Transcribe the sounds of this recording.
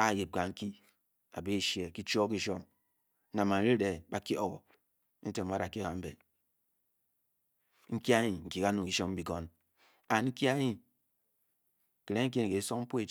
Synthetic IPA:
a˦˨je˨p̚ka˨ŋ̩˦ki˦ | a̰˨be˦˨ʃje˨ki˦t͡ʃo˦ki˦ʃo˦m˦ | na˨ma˨n˦ɾe˦de˨ba˨ki˦o˦wo̰˨˦ | n̩˦te˨m̩˦a˦ɾa˨ki˦a˨m̩˦be˨ | ŋ̩˦ki˦a˦ɲi˨ŋ̩˨ki˨ka˦nu˨ki˦ʃo˦mm̩˦bi˨ɡo˦n | a˨nŋ̩˦ki˦a˦ɲi˦˨ | ke˨le˦ŋ̩˦ki˦ni˨e˨˦so˦km̩˦po˦e˦˨

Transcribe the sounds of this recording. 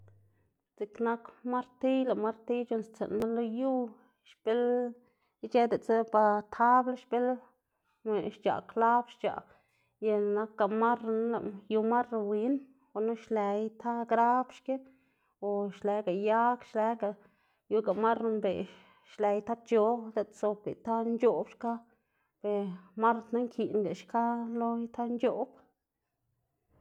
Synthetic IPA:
t͡si˨kna˦kma˦ɾt̪i˦la˨ma˦ɾt̪i˦t͡ʃo˧˨nst͡sḛ˨nma˦lo˦ju˦ | ʃpe˦l | t͡ʃe˦d̪e˨t͡sa˦pa˧t̪ʰa˦bla˦ʃpe˦l | me˨ʃt͡ʃa̰˨kla˦bʃt͡ʃa̰˨ʔ | ja˧na˧kːa˨ma˦ɾa˧n˦la̰˨ju˧ma˦ɾa˧wi˧˦n | o˨na˦ʃle˧jt̪ʰa˦ɡɾa˦bʃke˦ | o˨ʃle˨˦ɡa˨ja˦kʃle˨˦ɡa˨ | ju˦ɡa˨ma˦ɾmbe˨ | ʃle˨˧jt̪a˦t͡ʃo˧˦d̪a˧˦t̪so˧kɡḛ˨t̪a˦nd͡ʒo˦bʃka˦ | b̥e˨ma˦ɾt̪na˦ŋkʰi˨nɡa˨ʃka˦lo˦jt̪ʰa˦nt͡ʃo˦b̥

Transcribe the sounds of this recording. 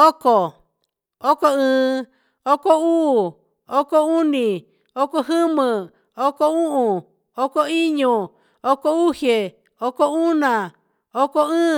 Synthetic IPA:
o˦ko˨ | o˦ko˦˧ɨ̃ː˨˧˦ | o˦ko˦uː˦˨ | o˦ko˦u˦nĩ˨ | o˦ko˧ɦɨ˦mɨ̃˧ | o˦ko˦ũ˦ʔũ˨ | o˦ko˦i˦ɲũ˧ | o˦ko˦u˦he˨ | o˦ko˦u˦nã˨ | o˦ko˧ɨ̃ː˦

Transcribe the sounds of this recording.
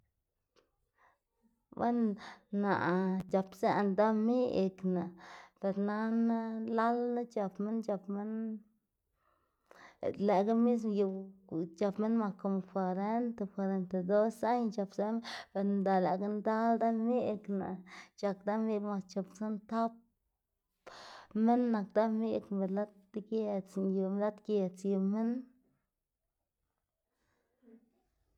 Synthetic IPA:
ba̰˦nːa̰˨ʔt͡ʃa˨psa˦˨nd̪a˦mi˦e˧kna˨pe˨ɾna˦na˦la˦lna˦t͡ʃa˨pme˦nt͡ʃa˧pme˦n | le˨ɡa˦mi˦s̬m˧je˨t͡ʃa˧pme˦nma˨ko˨mfa˨ɾe˦nt̪e˧kwa˧ɾe˨nt̪a˨d̪o˦sa˦jt͡ʃa˧psa˦m˦pe˨ɾnd̪a˨la˨ɡa˦nd̪a˦ld̪a˦me˦kna̰˨t͡ʃa˨kd̪a˦me˦ma˧st͡ʃo˧psa˦nt̪a˦p̚ | me˦nːa˨kd̪a˦me˦kbe˨la˦t̪̚ɡje˧t͡sju˨m˧la˦t̪kʲe˧˨t͡sji˧˨me˦n

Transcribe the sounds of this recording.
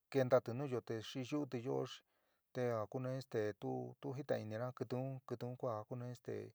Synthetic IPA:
ke˧nd̪a˧t̪ɨ˨˧nũː˦jo˧t̪e˧ʂi˧ʒu˦t̪̬i˧jo˦o̰˧ʂi̥˧ | t̪e˧a˨ku˦nẽ˧˦ĩ˦st̪e˨t̪u˦t̪u˦ɦi˦t̪ã̰˧i˧nĩ˧ɾã˦kɨ˧t̪u˧˦kɨ˧t̪ũ˧˦kʷa˦˨ku˦nẽ˧˦ĩ˦st̪ḛ˨

